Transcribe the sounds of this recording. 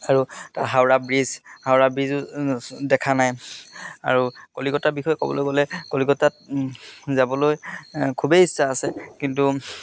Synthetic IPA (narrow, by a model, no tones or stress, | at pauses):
aɹutaɹɦawɹabɹizhawɹabɹizʊdɛkʰanaj | a̰ɹukolikɔtabixɔjkɔ̰bɔ̰lojɡolɛkoliɡɔtat̚ | zabɔlojkʰubejisːaːsɛkint̬u